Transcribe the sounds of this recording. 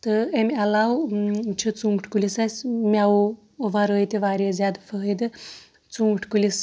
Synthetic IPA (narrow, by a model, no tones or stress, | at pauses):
t̪ɨemʲalawt͡ʃʰit͡suŋɡʈʰkulisasʲmʲaw | ʋaɾəjt̪ʲiʋaɾezʲad̪fʰəɦjd̪ɨ | t͡suŋɡʈʰkulis